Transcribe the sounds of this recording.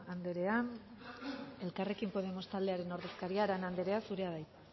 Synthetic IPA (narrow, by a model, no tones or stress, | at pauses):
and̪e̞ɾe̞an | e̞lkare̞kimpo̞ð̞e̞mo̞st̪ald̪e̞aɾe̞no̞ɾðe̞skaɾiaɾanand̪e̞ɾe̞asuɾe̞aðaj